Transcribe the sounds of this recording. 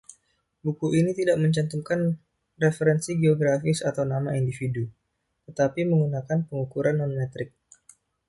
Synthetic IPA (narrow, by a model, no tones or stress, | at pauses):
bukuʔinit̪idaʔməɲt͡ʃant̪umkan | refəɾɛnsiɡeoɡɾafɪsat̪awnamaindifidu | t̪ət̪apiməŋunakanpəŋukuɾʔanːɔnmɛt̪ɾɪk̚